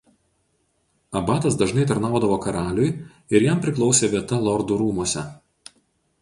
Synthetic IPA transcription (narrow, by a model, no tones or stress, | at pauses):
ɐbɑːt̪ɐsd̪ɐʒnɐɪt̪ɐɾnɑˑʊd̪ɐʋoːkɐɾɑːlʲʊj | ɪɾjæmpʲɾʲɪklˠɒʊsʲeːʋʲiɛt̪ɐlˠɔɾd̪uɾuːmuɔsʲɛ̰